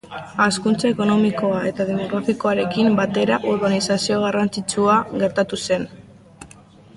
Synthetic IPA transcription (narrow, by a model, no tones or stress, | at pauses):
askunt͡sae̞ko̞no̞miko̞ae̞t̪aðemo̞ɣ̞ɾafiko̞aɾe̞kimbat̪e̞ɾaʔuɾβanisasio̞ɣ̞arant͡sit͡ʃuaɣe̞ɾt̪at̪use̞n